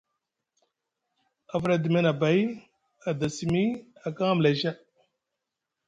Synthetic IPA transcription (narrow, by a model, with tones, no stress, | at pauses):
a˨vɾa˦di˨me˦na˨ba˨˦j | a˨da˨si˨mi˦a˨ka˦ŋa˦m˨la˨ʒa˦